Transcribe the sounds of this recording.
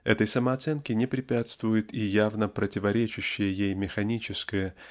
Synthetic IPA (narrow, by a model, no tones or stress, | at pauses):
ɛt̪əjsəməɐɐt̪sɛnkʲɪnʲɪpɾʲɪpʲat̪st̪vʊjɪt̪ijavnəpɾətʲɪvɐɾʲet͡ɕɪɕːɪjəjejmʲɪxɐnʲit͡ɕɪskəjə